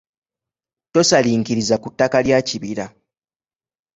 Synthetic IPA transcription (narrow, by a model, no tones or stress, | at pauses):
to̞saliːŋkiɾizakutːakaljaːciβiɾa